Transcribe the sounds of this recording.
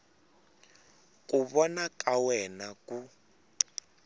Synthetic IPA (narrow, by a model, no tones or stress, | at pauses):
kuβɔnakʼawɛnaku